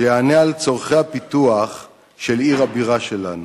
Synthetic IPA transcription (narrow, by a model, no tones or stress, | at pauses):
jeanealt͡so̞ʁχejhapit̪uaχ | ʃeliʁabiʁaʃelanu